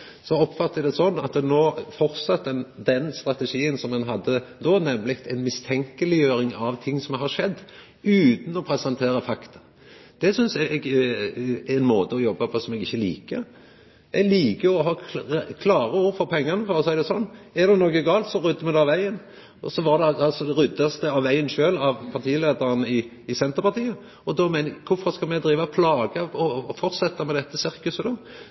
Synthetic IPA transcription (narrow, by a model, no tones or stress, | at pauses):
sɔɔpːfɑt̪ːəd̪ɛsɔnːɑt̪noːfɔɾt̪sɑt̪ːɛnd̪ɛnst̪ɾɑt̪əʂiːənsɔmɛnɦɑd̪ːəd̪oːnɛmlɪkt̪ɛnmɪst̪ʰɛŋkəlɪjøːɾɪŋɑʋt̪ʰɪŋːsɔmɦɑʂɛd̪ː | ʉːt̪n̩ɔpʰɾɛsɛnt̪ʰeːɾəfɑkt̪ʰɑ | d̪̥ɛsʏnsɛɡ | nmoːt̪əɔjɔbːɑpʰɔsɔmɛɡɪçːəlḭːkə | ɛɡliːkəɔɦɑːkʰlɑːɾəuːɾfɔɾpʰɛŋːɑnəfɔɾɔsɔɛɾd̪ɛsɔnːɛɾd̪ɛnoːɡəɡɑːlt̪sɔʁʏd̪ːəɾmɛd̪ɛɑʋæɪən | ɔsɔʋɑd̪ɛɑɑlsɔd̪ɛɾʏd̪ːɑsd̪ɛɑʋʋæɪənʃøːlɑʋpʰɑɾt̪ʰiːleːd̪əɾnəɪ | ɪsɛnt̪əɾpɑɾt̪iːə | ɔd̪ɔmæɪnəɛɡkʰʊfɔʁskɑlmɛɡd̪ɾiːʋəpʰlɑːɡəɔfɔɾt̪sɛt̪ːɑmɛd̪ɛt̪ːəsɪɾkʉsəd̪ɔ